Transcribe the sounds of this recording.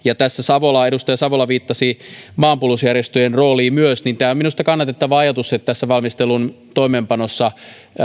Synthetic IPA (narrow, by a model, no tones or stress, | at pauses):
jɑt̪æsːæsɑʋolɑeɾust̪ɑjɑsɑʋolɑʋiːt̪ːɑsimɑːmpulusjærjest̪øjenroːliːmyøsnint̪æːominust̪ɑkɑnːɑt̪et̪ːɑʋɑɑjɑt̪uset̪t̪ːæsːæʋɑlmist̪elun | t̪oimeːmpɑnosːɑ